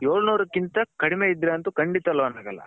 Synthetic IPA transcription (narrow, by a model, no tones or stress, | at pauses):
joːɭnuːɾɐkːint̪ɐkɐɽimeid̪ɾeɐnt̪ukɐɳɖit̪ɐlʋɐnaːɡɐlːɐ̰